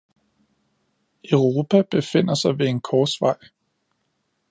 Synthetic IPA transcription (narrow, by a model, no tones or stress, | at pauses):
œʊʁo̝ːpʰæb̥e̝fe̝n̰ɐsɑ̈ɪʋe̝enkʰɒ̥ːsʋɑ̈ɪ̰